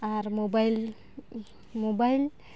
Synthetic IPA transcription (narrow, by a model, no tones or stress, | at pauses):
aɾmobajl | mobajl